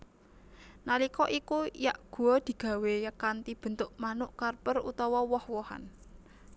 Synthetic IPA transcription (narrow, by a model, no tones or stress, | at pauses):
nalikɔʔikujaʔɡ̥ṳɔd̪̥i̤ɡ̥ä̤wejəkant̪ib̥ə̤nt̪ʊʔmanʊʔkarpərṵt̪ɔwɔwɔhwɔha̰n